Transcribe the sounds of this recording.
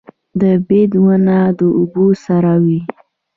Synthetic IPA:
d̪əbed̪wənad̪əubosaɾawi

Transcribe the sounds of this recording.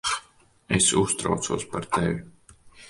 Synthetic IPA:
esust̪ɾa̰wt̪suɔspaɾt̪ɛvi

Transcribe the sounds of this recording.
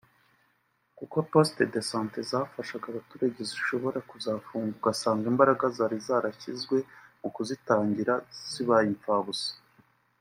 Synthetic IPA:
kuko̞po̞stedesãːntezafaʃaɡaβatuɾaɟeziʃo̞βo̞ɾakuzaːfuːŋɡuɡasaːŋɡiːmbaɾaɡazaɾizaːɾaçizɡwe̞mukuzitaːɲɟiɾaz̥iβajiɱfaːβuse̥

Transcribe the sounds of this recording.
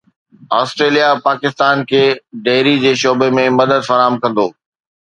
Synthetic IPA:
aːsʈɾeːlijapaːkɪst̪aːnkʰeːɖeːɾid͡ʑeːʃɔːbemẽmɐd̪əd̪fɐɾaːmkɐ̃nd̪oː

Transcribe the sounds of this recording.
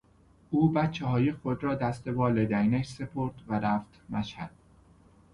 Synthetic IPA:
ʔuːbæt̪t͡ʃʰːehɒːjexod̪ɾɒːd̪æst̪e̞vɒːled̪æinækse̞pʰoɾd̪væɾæft̪mæʃhæd̪̥̚

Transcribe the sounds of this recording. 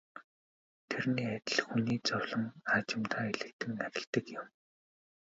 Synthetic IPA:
t̪ʰerniːat̪ʲɪ̆ɮxuniːt͡sɔwɮɞ̆ŋat͡ɕɪ̆mt̪ʰaːeɮɘ̆k̚t̪ʰɘ̆ŋːaɾʲɪ̆ɮt̪ɘ̆kjɪ̆m

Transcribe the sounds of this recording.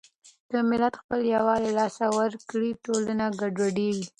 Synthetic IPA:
d̪̥əmɪlat̪xpəljawɑlelɑsawəɾkɽiʈolənaɡaɖwaɖeɡi

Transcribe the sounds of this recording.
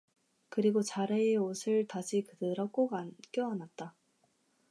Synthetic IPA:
kɯɾiɡot͡ɕaɾeeosʰɯɭtaɕʰikɯdɯɾʌk͈oɡank͈jʌːnat̚t͈a

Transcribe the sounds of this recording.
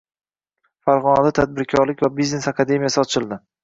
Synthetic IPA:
faɾʁɒnad̪at̪ʰad̪̚bɪɾkʲʰɒɾlɪkʲvabizne̞sakʰad̪e̞mijasɪɒt͡ʃʰɪlˠd̪ɪ

